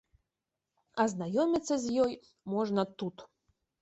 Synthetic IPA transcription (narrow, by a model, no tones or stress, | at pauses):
ɐznajɔmʲit̪sːɐzʲjɔj | mɔʐnɐt̪ut̪